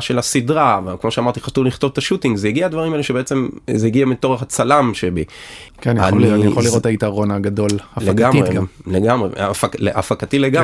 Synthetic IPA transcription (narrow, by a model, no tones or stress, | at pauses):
ʃe̞lasidʁavkmo̞ʃeamaʁt̪iχatuvliχt̪o̞vtaʃutiŋɡzejiɡiadvaʁimaeleʃebeet͡semzejiɡiamitoʁeχat͡salamʃebi | kenja̰ninijaχolːiʁothait̪aʁo̞naɡado̞laleɡameleɡamʁefakleʔafakatileɡa